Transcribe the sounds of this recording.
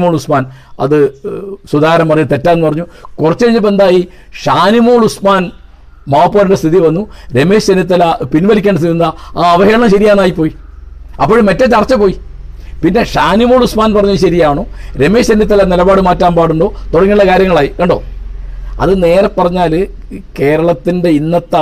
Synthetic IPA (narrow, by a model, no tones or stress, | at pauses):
moːɭusmaːn | ɐ̰ðɨswɐd̪aːɐɾɐmpɐrɐɲːt̪e̞tːaːnːupɐrɐɲːukurɐt͡ɕːeiɲːɨp̬ːend̪aːji | ʂaːnimoːɭusmaːn | maːpːoːɾiɳdest̪ʰiðiʋɐnːuɾe̞meːɕenit̪ːɐlɐpinʋɐlikʲeːɳɖes̬t̪iinaaːɐʋɐɦeːɐɳɐmɕɐɾijaːnːaːjipːo̞ːji | ɐ̰pːoːɻmɐtːet͡ɕɐrɐt͡ɕːɐpo̞ːjipinːe̞ʂaːnimoːɭusmaːnpɐrɐɲːuiɕɐɾijaːɳoːɾe̞me̞ːsenit̪ːɐlɐnilɐbaːɽɨmaːtːaːmbaːɽuɳɖo̞ːt̪oɽɐŋːiuɭːɐkaːɾjɐŋːɐɭaːjiuɳɖoː | ɐ̰ðɨne̞ːɾɐpːɐrɐɲːaːl | ke̞ːɾɐɭɐt̪ːinde̞inːɐt̪ːɐ